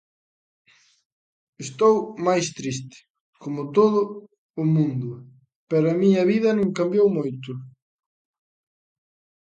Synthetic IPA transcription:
est̪owmajst̪ɾist̪ɪ̥ | komʊt̪oðʊː | mũnd̪ʊ | peɾamĩɲɐβiðɐnẽŋkambjowmojt̪ʊ

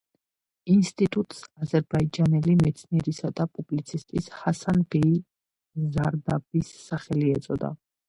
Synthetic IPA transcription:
inst̪ʼit̪ʼut̪ʼsazɛɾbaid͡ʒanɛlimɛt̪sʰniɛɾisad̪apʼublit̪sʰist̪ʼishasanbɛi | zaɾd̪abisːaχɛliɛt̪sʼɔd̪a̰

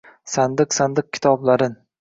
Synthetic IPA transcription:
sand̪ɨqsand̪ɨq̚kʲʰɪ̥t̪ʰɒblaɾɪn

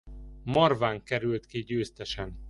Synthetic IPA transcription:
mɒrvaːŋkɛɾylt̪kiɟøːst̪ɛʃɛn

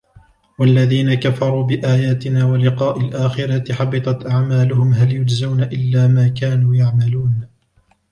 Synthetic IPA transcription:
walːaðiːnakafɑɾˤuːbɪʔaːjaːt̪ɪnaːwalɪqɑːʔɪlʔaːxɪɾɑt̪ɪħɑbɨt̪ˤɑt̪ʔaʕmaːlʊhʊmɦaljʊd͡ʒzawnaʔɪlːaːmaːkaːnuːjaʕmaluːn

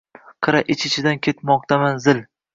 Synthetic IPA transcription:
qʰɨɾaʔɪt͡ʃʰɪt͡ʃʰɪd̪ankʲʰe̞t̪mɒq̚t̪ʰamanzɪl

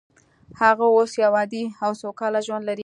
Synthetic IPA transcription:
haɣaosjawɑd̪iawsowkɑlaʒwand̪laɾi

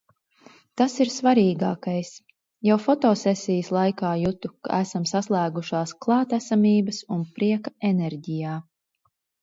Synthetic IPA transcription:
t̪asiɾsvaɾiːɡaːkajs | jawfɔt̪ɔːsɛsʲijəslˠajkaːjut̪uka̰æsamsaslˠæːɡuʃaːsklˠɑːt̪æsamʲiːbɐsunpɾiɛkaɛnɛɾɟijaː

